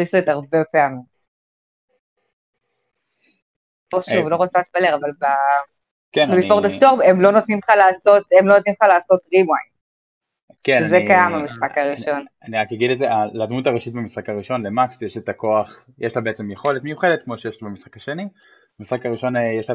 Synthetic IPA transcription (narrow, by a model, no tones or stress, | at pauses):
iset̪aʁbepe̞amim | poʃuvlo̞ʁot͡saʃbaleʁavalba | kenbebiʃfoʁd̪ast̪oʁbemlo̞not̪nimχalaːso̞t̪emlo̞not̪nimχalaːso̞tʁimaj | keʃnezekajamamisχakaʁiʃo̞naniʁakaɡid̪ledzeʔalad̪mutaʁeʃitbemisχakaʁiʃo̞nlemaksjeʃet̪ako̞aχ | jɛʃlabeet͡semjeχo̞letmejuχedet̪̚kmo̞ʃejeʃlbemisχḁkaʃeni | bamisχakaʁiʃo̞njeʃla